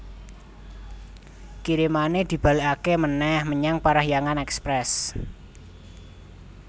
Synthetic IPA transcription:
kiɾimaned̪̥i̤b̥a̤liʔakemənɛhməɲaŋpaɾahjaŋanɛkspɾɛs

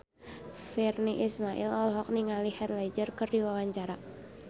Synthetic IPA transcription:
firniʔismaʔḭlɔlɦɔk̚niŋalihat̪̚lad͡ʒərkərdiwawaɲt͡ʃaɾa

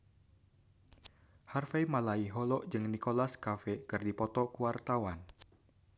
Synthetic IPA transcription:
harfajmalaiɦɔlɔʔd͡ʒɨŋnikolaskafɛkɨrdipɔt̪ɔkuwart̪awan

